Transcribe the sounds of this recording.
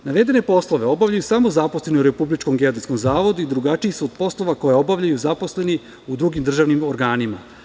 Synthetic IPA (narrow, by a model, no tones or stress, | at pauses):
naʋe̞d̪e̞ne̞po̞slˠo̞ʋe̞o̞bavʎajusamozaposle̞nouɾepublit͡ʃko̞mɡeod̪iskomzaːʋo̞d̪uid̪ɾuɡat͡ʃiisuod̪̚po̞slˠo̞ʋako̞jeo̞baʋʎajuzapo̞sle̞ni | ud̪ɾuɡimd̪r̩ʒaːʋnimoɾɡaːnima̰